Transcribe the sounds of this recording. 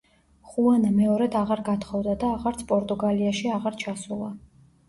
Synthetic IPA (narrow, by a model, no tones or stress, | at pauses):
χuanamɛɔɾɛd̪aʁaɾɡat̪ʰχɔvd̪ad̪aːʁaɾt̪sʰpʼɔɾt̪ʼuɡaliaʃiaʁaɾt͡ʃʰasulˠa